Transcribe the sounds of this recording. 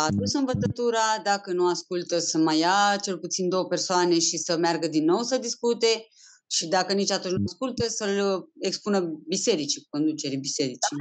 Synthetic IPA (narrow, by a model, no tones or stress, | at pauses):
ad̪usɨnvət̪ət̪uɾad̪akənuaskult̪əsəmajat͡ʃe̞lput̪sind̪owəpersoane̞ʃisəmearɡəd̪inːo̞wsəd̪iskut̪e̞ | ʃid̪akənit͡ʃat̪unt͡ʃʲnuaskult̪əsəlekspunəbiseɾit͡ʃi̥ko̞nd̪ut͡ʃe̞ɾibiseɾit͡ʃi